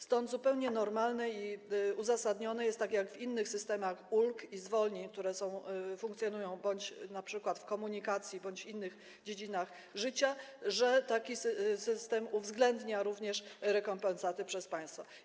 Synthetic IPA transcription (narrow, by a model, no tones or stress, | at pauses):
st̪ɔnd̪zupɛwɲɛnɔɾmalnɛiuzasad̪ɲɔnɛjɛst̪ːakʲjaɡvinːɘxsɘst̪ɛmaxulkizvɔlɲik̚t̪uɾɛsɔ̃w̃fũŋkt̪sʲjɔnujɔ̃w̃bɔɲt͡ɕnapʂɘkwat̪fkɔmuɲikat̪sʲjibɔɲt͡ɕinːɘx | d͡ʑed͡ʑinax | ʐɘt͡ɕaʐɛt̪akʲisɘst̪ɛmuvzɡlɛnd̪ɲaɾuvɲɛʂɾɛkɔmpɛnsat̪ɘpʂɛspaj̃st̪fɔ